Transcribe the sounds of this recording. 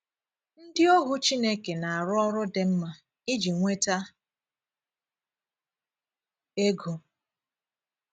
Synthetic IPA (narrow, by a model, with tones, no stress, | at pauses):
n̩˦dɪ˦o˦ɦʊ˦t͡ʃi˦ne˦ke˨na˨a˨ɾʊ˦ɔ˦ɾʊ˦de˦m̩˦ma˦ | i˦d͡ʒi˨ŋʷe˦ta˦ | e˦ɡo˨